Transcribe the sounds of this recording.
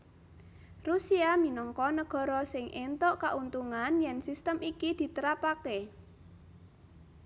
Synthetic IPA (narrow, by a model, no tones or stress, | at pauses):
rusiaminɔŋkɔnəɡ̥ɔ̤ɾɔsɪŋʔent̪oʔkaʔunt̪uŋanjɛnsist̪əmikid̪̥i̤t̪əɾapake